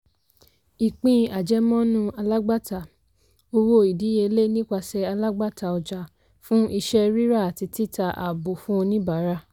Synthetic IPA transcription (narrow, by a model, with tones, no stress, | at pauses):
i˨k͡pĩ˨˧a˨d͡ʒɛ˨˦mɔ̃˦nũ˦a˧la˦ɡ͡ba˦˨ta˨ | o˧wo˦i˨di˨˦je˧le˦nĩ˦k͡pa˧sɛ˧a˧la˦ɡ͡ba˦˨ta˨ɔ˧d͡ʒa˧ | fũ˦i˧ʃɛ˦ɾi˦ɾa˦˨a˨ti˧ti˦ta˧ʔa̰˨bo˨fũ˦˧nĩ˦ba˨˦ɾa˦˨